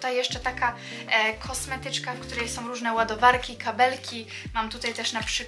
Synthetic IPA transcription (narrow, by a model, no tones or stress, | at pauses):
t̪ajːɛʂt͡ʂɛt̪aka | kʰɔsmɛt̪ɘt͡ʂkafkt̪uɾɛjsɔ̃w̃ɾuʐnɛwad̪ɔvaɾkʲikabɛlkʲi | mamt̪ut̪ajt̪ɛʂnapʂɘ